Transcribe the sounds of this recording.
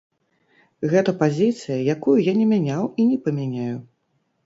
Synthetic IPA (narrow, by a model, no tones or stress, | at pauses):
ɣɛt̪ɐpazʲit̪sɨjɐjakujujanʲɛmʲanʲawinʲɛpɐmʲanʲaju